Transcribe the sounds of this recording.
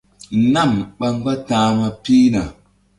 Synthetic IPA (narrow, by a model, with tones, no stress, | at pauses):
na˦˨mɓa˨ŋ˦ɡa˦tãː˨ma˨pi˦na˨